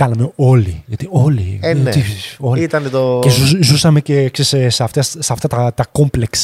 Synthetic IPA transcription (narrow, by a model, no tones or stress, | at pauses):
kɐnɐmeo̞liʝɐt̪iolḭenifsisolit̪ɐnet̪okezuzusɐme̞cekseseseɐft̪ɐssɐft̪ɐt̪ɐt̪ɐko̞mpleks